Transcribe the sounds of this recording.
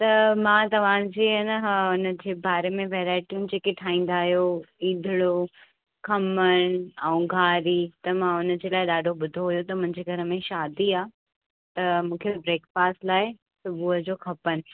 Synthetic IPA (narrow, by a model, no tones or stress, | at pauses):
t̪ɐmãt̪ɐʋ̤ãd͡ʑeːɐnəɦʊnə̆d͡ʑeːbaːɾemẽʋeːɾaːɪʈijũnɪ̆d͡ʑeːkeʈʰaːĩːn̆d̪aːɦijoiːd̪ʱɪɽo | kʰɐməɽ̃aũɡʱaːɾit̪ɐmãʊnə̆d͡ʑeːlaːɪɗaːɖʱoɓʊd̪ʱoɦujot̪ɐmʊ̃ɦɪ̃ɲd͡ʑeːɡʱɐɾəmẽʃaːd̪iaː | t̪ɐmũːkʰebɾeːkfaːsʈlaːɪ | sʊbʱuːɦəd͡ʑoːkʰɐpənɪ̆